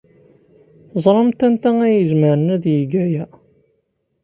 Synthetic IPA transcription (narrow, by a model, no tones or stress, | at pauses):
θzˤɾˤɑmt̪ænt̪ææjəzməɾənæðjəɡæjæ